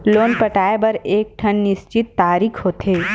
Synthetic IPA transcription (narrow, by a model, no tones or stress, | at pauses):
loːnpɐʈaːebɐɾeːk̚ʈʰɐnnɪʃt͡ʃɪt̪ːaːɾiːkʰɦoːt̪eː